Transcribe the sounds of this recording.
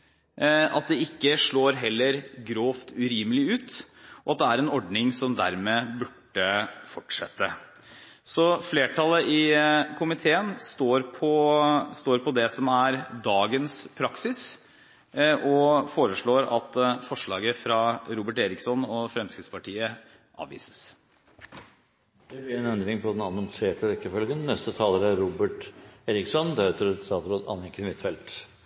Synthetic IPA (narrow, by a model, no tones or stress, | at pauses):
ɑt̪̚d̪ɛɪkːəʂɭoːɾɦɛlːəɾɡɾoːft̪ʉɾiːməlɪʉːt̪ | ʔɔɑt̪̚d̪ɛæɾɛnɔɖnɪŋsɔmd̪æ̰ɾmeːbʉʈːəfɔʈʂɛt̪ːə | sɔfleːʈʰɑləʔɪkʰʊmɪt̪ʰeːənst̪oːɾpʰɔst̪oːɾpʰɔd̪ɛsɔmæɾd̪ɑːɡənspʰɾɑksɪs | ʔɔfoːɾəʂɭoːɾɑt̪fɔʂɭɑːɡəfɾɑɾuːbəʈeːɾɪksɔnɔfɾɛmskəspɑʈʰiːə | ʔɑ̰ːʋḭːsə̥s | d̪̥ɛblɪɾɛnɛnd̪ɾɪŋpʰɔd̪ɛnɑnɔŋseːʈəɾɛkːəfœlɡənnɛst̪ət̪ʰɑːləɾæɾuːbəʈeːɾɪksɔnd̪æt̪ɾst̪ɑːt̪ɾoːd̪ɑ̰nɛŋkːənʋɪt̪ːfɛlt̪